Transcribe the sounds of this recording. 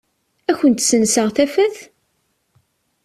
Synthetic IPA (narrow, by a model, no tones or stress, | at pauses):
æçənt̪sənsəʁθæfæθ